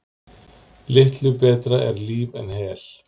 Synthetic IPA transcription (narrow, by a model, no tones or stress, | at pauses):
lɪht̪lʏpɛːt̪ɾaɛɾliːvɛ̰nhɛːl̥